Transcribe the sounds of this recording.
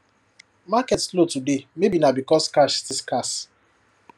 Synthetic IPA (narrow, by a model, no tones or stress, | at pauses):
makɛtslotudemebinabikɔskaʃstiskas